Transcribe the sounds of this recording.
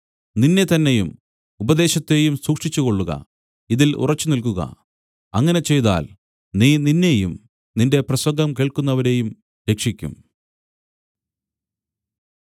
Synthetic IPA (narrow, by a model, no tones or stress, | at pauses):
ninːe̞t̪ɐnːe̞jum | ubɐd̪e̞ːɕɐt̪ːe̞jumsuːkʂit͡ɕːuɣo̞ɭːuɣɐ̰ | iðilṵrɐt͡ɕːunilkuɣɐ̰ | ɐŋːɐne̞t͡ɕe̞jt̪a̰ːl | niːninːe̞jum | ninde̞prɐswɐɡɐmkeːɭkunːɐʋɐɾe̞jum | ɾe̞kʂikʲːṵm